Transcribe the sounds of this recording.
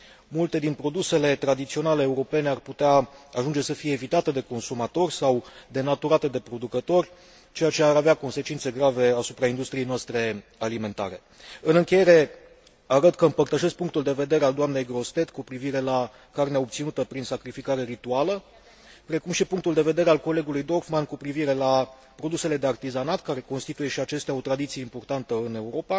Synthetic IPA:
mult̪e̞d̪inpɾo̞d̪use̞le̞t̪ɾad̪it̪sio̞nale̞ːuɾo̞pe̞ne̞arput̪eaaʒund͡ʒe̞səfije̞ːvit̪at̪e̞d̪e̞ko̞nsumat̪o̞rʲsawd̪e̞nat̪uɾat̪e̞d̪e̞pɾo̞d̪ukət̪o̞rʲ | t͡ʃe̞jat͡ʃe̞aɾaveako̞nse̞t͡ʃint̪se̞ɡɾave̞asupɾaind̪ust̪ɾije̞jnoast̪ɾe̞alime̞nt̪a̰ɾe̞ | ɨnɨŋkʲeje̞ɾe̞ | aɾət̪kəɨmpərt̪əʃe̞sk̚puŋkt̪uld̪e̞ve̞d̪e̞ɾeald̪oamne̞jɡɾo̞st̪e̞t̪kupɾiviɾe̞la | karneaop̚t̪sinut̪əpɾinsakɾifikaɾe̞ɾit̪ualə | pɾe̞kumʃipuŋkt̪uld̪e̞ve̞d̪e̞ɾe̞alko̞le̞ɡulujd̪o̞rfmankupɾiviɾe̞la | pɾo̞d̪use̞le̞d̪eart̪izanat̪kaɾe̞ko̞nst̪it̪uje̞ʃiat͡ʃe̞st̪eao̞t̪ɾad̪it̪sie̞impo̞rt̪ant̪əɨne̞uɾo̞pa

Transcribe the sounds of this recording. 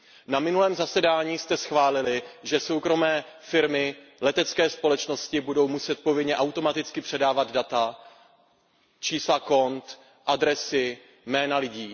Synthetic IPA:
namɪnulɛːmzasɛdaːɲiːst̪ɛsxvaːlɪlɪʒɛso̞wkɾo̞mɛːfɪɾmɪlɛt̪ɛt͡skɛːspo̞lɛt͡ʃno̞scɪbudo̞wmusɛt̪̚po̞vɪdɲɛʔawt̪o̞mat̪ɪt͡skɪpr̝̥ɛdaːvad̪dat̪a | t͡ʃiːslako̞nt̪ | ʔadɾɛsɪ | mɛːnalɪɟiː

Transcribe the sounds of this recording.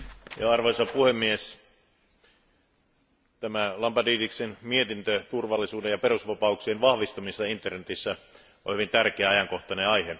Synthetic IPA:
jɑɑrʋoisɑpuhemːies | t̪æmælɑmpɑdiːdiksenmiet̪int̪øt̪urʋɑlːisuːdejɑperusʋɑpɑuksienʋɑhʋist̪ɑmisːɑint̪ːˑernet̪isːæ | o̰hyʋint̪ærkeæɑjɑŋkoht̪ɑneɑjhe

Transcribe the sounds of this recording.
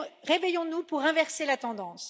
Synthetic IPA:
ʁevejɔ̃nupuʁɛ̃vɛʁselat̪ɑ̃d̪ɑ̃ːs

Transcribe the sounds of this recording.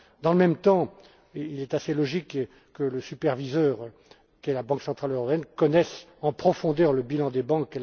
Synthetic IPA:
d̪ɑ̃ləmɛmt̪ɑ̃ | ilɛt̪aselɔʒik | kələsypɛʁvizœʁ | kʲɛlabɑ̃ksɑ̃t̪χaløʁɔpeɛnkɔnɛsɑ̃pχɔfɔ̃d̪œʁləbilɑ̃d̪ebɑ̃kːɛl

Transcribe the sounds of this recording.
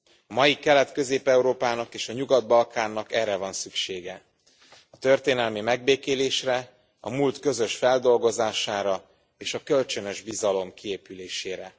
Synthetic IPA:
ɒmɒjikɛlɛt̪kø̞zeːpɛuɾoːpaːnɒkeːʃɒɲuɡɒd̪̚bɒlkaːnːɒkɛrːɛvɒnsykʃeːɡɛ | ɒt̪ø̞rt̪eːnɛlmimɛɡ̚beːkeːleːʃrɛ | ɒ̰mult̪kø̞zø̞ʃfɛld̪o̞lɡo̞zaːʃaːɾɒ | eːʃɒkølt͡ʃønøʒbizɒlo̞mkieːpyleːʃeːɾɛ

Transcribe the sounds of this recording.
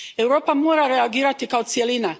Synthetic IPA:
ewɾoːpamoːɾaɾeaɡiːɾat̪ikaot̪sijelina

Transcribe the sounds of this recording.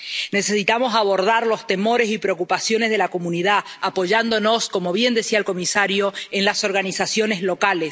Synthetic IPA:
ne̞se̞sit̪amo̞saβ̞o̞ɾðaɾlo̞st̪e̞mo̞ɾe̞sipɾeo̞kupasjo̞nezðe̞lako̞muniðaapo̞ʒand̪o̞no̞sko̞mo̞β̞je̞nd̪esiaelko̞misaɾjo̞enlaso̞ɾɣanisasjo̞nezlo̞kales

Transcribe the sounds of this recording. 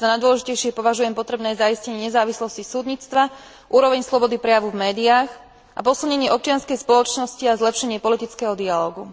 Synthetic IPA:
zanajd̪ʋɔlɛʒicɛjʃɪɛpɔʋaʒujɛmpɔt̪ɾɛbnɛːjzaiscɛɲɪɛɲɛzaːʋislɔscisuːd̪ɲiːt͡st̪ʋa | ʔuːɾɔʋɛɲslɔbɔd̪ipɾɛjaʋuvmɛːd̪iaːx | ʔapɔsilˠɲɛɲɪɛɔp̚t͡ʃɪanskɛjspɔlɔt͡ʃnɔsciazlɛpʃɛɲɪɛpɔlit̪it͡skɛɦɔd̪ialɔːɡu

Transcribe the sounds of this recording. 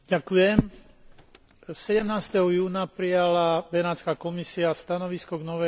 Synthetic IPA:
ɟakujɛm | sɛɟɛmnaːst̪ɛɦɔjuːnapɾijalabɛnaːt͡skaːkɔmisiast̪anɔʋiskɔɡnɔʋɛ

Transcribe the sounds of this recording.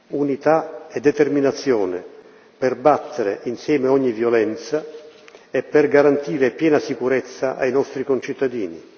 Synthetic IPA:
unit̪aɛd̪ːɛt̪erminat̪sːjɔːnɪ̰ | pɛrbat̪ʰːeɾḛʔinsjɛːmeɔɲːivjɔlɛnt̪sa | ɛpːɛrɡaɾant̪iːɾepjɛːnasikuɾɛt̪sːaʔa̰jnɔst̪ɾikont͡ʃit̪ːad̪iːnḭ

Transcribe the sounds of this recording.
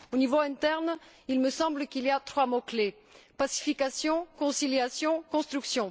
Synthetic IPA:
onivoɛ̃t̪ɛʁn | ilməsɑ̃bləkiliat̪χwamokle | pasi̥fikasjɔ̃kɔ̃siljasjɔ̃kɔ̃st̪χyksjɔ̃

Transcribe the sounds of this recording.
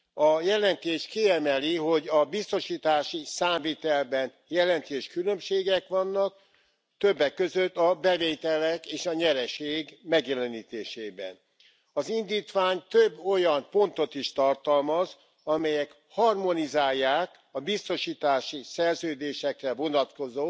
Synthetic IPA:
ɒjɛlɛnt̪eːʃkiɛmɛliɦo̞ɟɒbist̪o̞ʃiːt̪aːʃisaːmviːt̪ɛlbɛn | jɛlɛnt̪eːʃkylø̞mʃeːɡɛkʋɒnːɒk̚ | t̪øbːɛkːøzøt̪ːɒbɛveːt̪ɛlɛkeːʃɒɲɛɾɛʃeːɡmɛɡjɛlɛniːt̪eːʃeːbɛ̰n | ɒzind̪iːt̪ʋaːɲt̪øbːo̞jɒmpo̞nt̪o̞t̪iʃt̪ɒrt̪ɒlmɒz | ɒmɛjɛk | hɒrmo̞nizaːjːaːk | ɒbist̪o̞ʃiːt̪aːʃisɛrzøːd̪eːʃɛkrɛvo̞nɒt̪ko̞zoː

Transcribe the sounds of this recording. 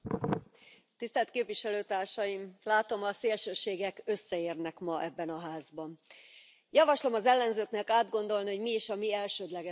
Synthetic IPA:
t̪ist̪ɛlt̪keːpviʃɛløːt̪aːrʃɒjimlaːt̪o̞mɒseːlʃøːʃeːɡɛkøsːɛeːrnɛkmɒʔɛbːɛnɒɦaːzbɒn | jɒvɒʃlo̞mɒzɛlːɛnzøːknɛkaːd̪ɡo̞nd̪o̞lniɦoɟmiiʃɒmiɛlʃøːd̪lɛɡɛ

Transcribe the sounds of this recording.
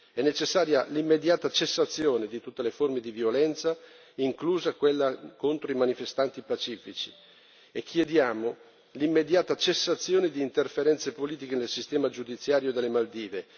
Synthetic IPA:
ɛnːet͡ʃesːaːɾjalimːed̪jaːt̪at͡ʃesːat̪sːjoːned̪it̪ut̪ːeleformed̪ivjolɛnt̪sa | iŋkluːzakwelːakont̪ɾoimanifest̪ant̪ipat͡ʃiːfit͡ʃi̥ | ekʰːjed̪jaːmo | limːed̪jaːt̪at͡ʃesːat̪sːjoːned̪iːnt̪erfeɾɛnt̪sepoliːt̪ikenelsist̪ɛːmad͡ʒud̪it̪sːjaːɾjod̪elːemald̪iːve

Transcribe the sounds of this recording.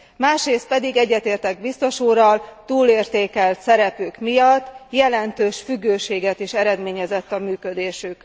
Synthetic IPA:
maːʃɾeːst̪̚pɛd̪iɡɛɟːɛt̪eːrt̪ɛɡ̚bist̪o̞ʃuːrɒlt̪uːleːrt̪eːkɛlt̪sɛɾɛpyːkmijɒt̪ːjɛlɛnt̪øːʃfyɡːøːʃeːɡɛt̪iʃɛɾɛd̪meːɲɛzɛt̪ːɒmyːkød̪eːʃyk

